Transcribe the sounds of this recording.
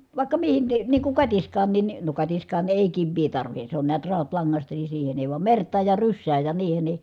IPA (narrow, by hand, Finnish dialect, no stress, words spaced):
ʋɑˑikːɑ mihin ni niːŋ kuŋ kɑtiskˑɑːnːin ni no kɑtiskɑːn eˑi kiʋːiː tɑrʋihe se on niæt rɑutlɑŋːɑstɑ ni siːhen eˑi ʋɑm mertˑɑːj jɑ rysːæːj jɑ niːhen ni